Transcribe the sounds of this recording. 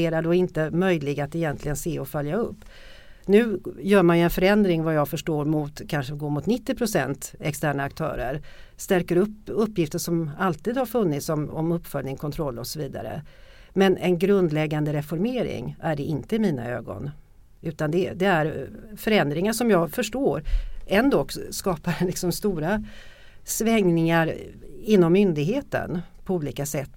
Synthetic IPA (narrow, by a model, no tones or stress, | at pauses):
eːɾaɖɔɪnt̪əmœjlɪɡat̪ɛjɛnt̪lɪɡənseːɔfœljaɵpː | nʉ̟ːjœːɾmanjɵɛnfœɾɛnd̪ɾɪŋvajɑːɡfœʂʈoːɾmʊt̪kʰanʂəɡoːmʊt̪nɪt̪ːɪpʰɾʊsɛ̰nt̪ɛkst̪æːɳaːk̚t̪ʰœ̰ːɾə̰ɾst̪æɾkəɾɵpːɵpːjɪft̪əʂɔmalt̪iːd̪haɾfɵnːɪt̪sɔmɔ̰mɵpːfœlnɪŋkʰɔnt̪ʰɾɔlːɔsɔviːd̪a̰ɾə̰ | mɛnɛnɡɾɵnd̪lɛɡːand̪əɾɛfɔɾmeːɾɪ̰ŋæɖɛʔɪnt̪əɪmiːna̰ø̰ːɡɔ̰n | ʉ̟ːt̪and̪ɛd̪ɛæɾfœɾɛnd̪ɾɪŋaʂɔmjɑːɡfœʂʈoːɾɛnd̪ɔkːskɑːpaɾlɪksɔmst̪uːɾa | svɛŋnɪŋaɾɪnːɔmːʏnd̪ɪɡɦeːt̪ə̰npʰɔuːliːkasɛt̪ː